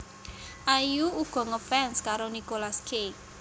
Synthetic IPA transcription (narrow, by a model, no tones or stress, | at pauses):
ʔajuuɡ̥ɔ̤ŋəfɛnskaɾonikolaskʰek